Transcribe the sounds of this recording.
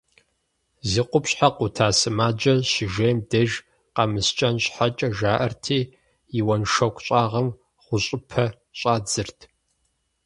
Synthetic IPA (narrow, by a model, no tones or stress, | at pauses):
ziːqʷʊpɕħaqʷʊtʰaːsɨmaːd͡ʒɐɕɪʒejmdɐʒ | qɐmɨst͡ʃʼɐnɕħat͡ʃʼɐʒaːʔɐrtʰiː | jɪwɐnʃɐkʷʰʼɕʼaːʁɐm | χʷʊɕʼɪpʰɐ | ɕʼaːd͡zɨrtʰ